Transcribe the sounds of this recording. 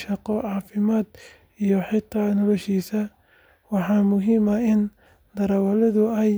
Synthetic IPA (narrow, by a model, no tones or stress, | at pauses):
ʃɑqɔʕɑːfɪmaːd̪ | ijɔħɪt̪ʰaːnɔlɔʃiːsɐ | wɑħɑːmʊɦiːmɐɪn | d̪ɐɾɐwɐlɛðʊɛj